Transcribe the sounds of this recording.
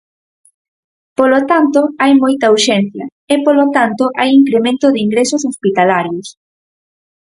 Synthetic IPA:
polot̪ant̪ʊajmojt̪ɐuʃɛn̟θjɐ | ɪpolot̪ant̪ʊʔajiŋkɾemẽnt̪ʊðɪiŋɡɾesʊsospit̪alaɾjos

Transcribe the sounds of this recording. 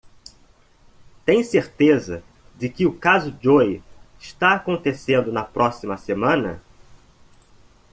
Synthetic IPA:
t̪ẽj̃seɾt̪ezɐ | d͡ʒɪkɪʊkazʊd͡ʒojɪʃt̪aakõnt̪esẽnd̪ʊnɐpɾɔsimɐsemɐ̃nɐ̰

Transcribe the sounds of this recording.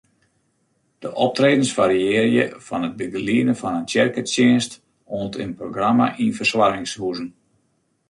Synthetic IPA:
d̥əʔɔp̚treːdənsfaɾiɪːrjə̰fɔnət̚bəɡəliənəfɔnəntjɛrkəsɪənst | oəntʰə̰nproɡrama̰ʔinfərswarɪŋshuzən̩

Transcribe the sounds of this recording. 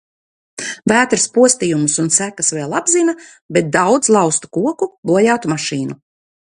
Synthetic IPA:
væːt̪ɾspuɔst̪ijumusunsækasveːlˠabzina | bet̪̚d̪awd̪zlˠɑwst̪u̥kuɔkubɔjaːt̪umaʃiːnu

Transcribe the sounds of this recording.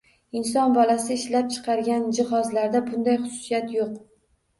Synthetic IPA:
ɪnsɒnbɒlasɪɪʃlap̚t͡ʃʰɨ̥qʰɑɾɡʲand͡ʒɪhɒzlaɾd̪abʊnd̪ajχʊsʊ̥sijat̪joq̚

